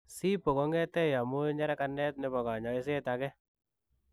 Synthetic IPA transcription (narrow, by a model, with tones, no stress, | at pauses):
si˦po˨kɔ˦ŋɛ˦tɛ˦ja˨mu˦ɲa˦ɾɛ˦kanɛ˦t̚nɛ˧bɔ˨ka˨ɲɔ˨i˦se˦ta˨kɛ˦